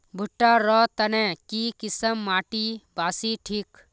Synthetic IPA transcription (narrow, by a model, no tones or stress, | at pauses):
bʱuʈːaɾɔːt̪ɐnẽkiːkisəmːaːʈibʱaːsiːʈʰiːk